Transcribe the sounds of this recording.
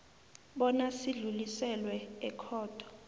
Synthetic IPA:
ɓɔnasiɮulisɛlwɛɛkʰɔːd̥ʱɔ̥

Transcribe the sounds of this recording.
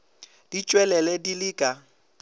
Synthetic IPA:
d̥it͡ʃʼwɛlɛlɛdilɪːkʼa

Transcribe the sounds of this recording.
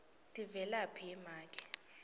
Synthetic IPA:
tʼivɛlapʰiɛmaːkʼɛ̥

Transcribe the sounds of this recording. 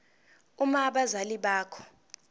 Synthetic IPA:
umaɓazaliɓaːkʰɔ̥

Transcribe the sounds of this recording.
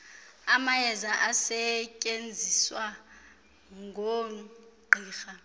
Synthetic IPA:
amajɛzaʔasɛcʼend͡zʱiswa | ŋɡʱo | ɡ͡ǃʱiːxa

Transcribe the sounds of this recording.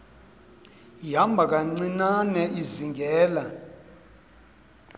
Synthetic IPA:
jambʱak̬aŋ͡ǀinanɛʔiziŋɡʱɛːla

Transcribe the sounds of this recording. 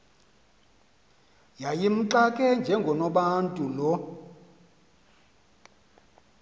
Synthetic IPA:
jajim̩ǁakʼɛnd͡ʒʱɛŋɡʱɔnɔɓantʼulɔ

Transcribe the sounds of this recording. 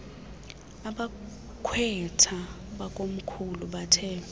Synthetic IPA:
aɓa | kʰwɛtʰa | ɓakʼom̩kʰuluɓatʰɛː

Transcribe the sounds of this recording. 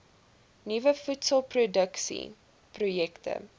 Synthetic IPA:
nivəfutsəlˠprodəksḭ | projɛktə̰

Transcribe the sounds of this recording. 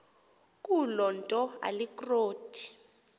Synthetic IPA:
k̬ʼulɔntʼɔa̰likʼroːtʰi̥

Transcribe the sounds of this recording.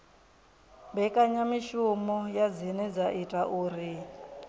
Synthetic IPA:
mbɛkʼaɲamiʃumɔjad͡zinɛd͡zaʔitʼaʔuːɾi

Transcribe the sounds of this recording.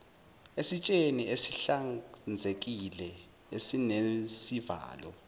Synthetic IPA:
esit͡ʃʼeniesiɬand͡zʱek̬ilɛ | esinesiva̰ːlɔ̰

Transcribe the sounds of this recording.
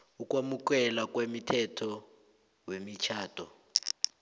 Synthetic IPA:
ukʼwamukɛlakwemitʰɛtʰɔ | wemit͡ʃʰaːtʰʼɔ

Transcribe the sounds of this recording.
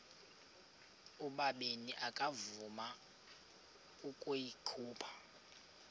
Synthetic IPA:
uɓaɓeniʔakʼavuma | ukʼujikʰuːpʰḁ

